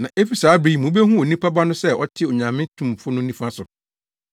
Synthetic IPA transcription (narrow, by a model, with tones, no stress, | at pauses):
nã˨ʔe˦fi˨saː˨˦bɾi˨mũ˨˦be˦ɦũ˦o˨nĩ˦pʰa˦ba˦nʊ̃˦sɛ˦˨ʔɔ˦tʰɪ˦o˨ɲã˨mɪ̃˦tʰũ˨mfʊ˦nʊ̃˦nĩ˦fã˦sʊ˨